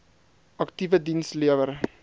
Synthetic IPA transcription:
ʔɐktivədinsliəvəɾ

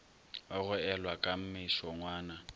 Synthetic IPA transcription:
waɣʊɛlwakʼam̩mɪʃɔŋwaːna

